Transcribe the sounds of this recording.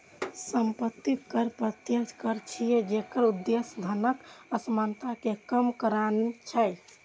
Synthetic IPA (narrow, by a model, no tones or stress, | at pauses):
səmpət̪ːikəɾpɾət̪jəd͡ʒʱkəɾt͡ʃʰijed͡ʒekəɾud̪ːesd̪ʱənəkəsmant̪akekəmkəɾanet͡ʃʰɛj